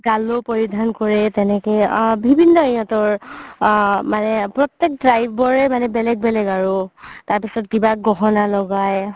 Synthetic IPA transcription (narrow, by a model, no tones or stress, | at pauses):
ɡalopɔɹidʱankɔɹɛtɛnɛkɛbʱibʱinːɔijɔtɔɹ | manɛpɹɔtjɛk̚dɹajbʱbɔɹɛmanɛbɛlɛɡ̚bɛlɛɡaɹʊtaɹpisɔt̚kibaɡɔɦɔnalɔɡaj